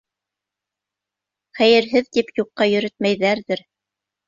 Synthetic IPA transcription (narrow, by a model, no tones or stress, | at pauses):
χæjɘ̆ɾɦɘðt̪ipjuqːɑjɵ̆ɾɘt̪̚mæjðæɾðɘɾ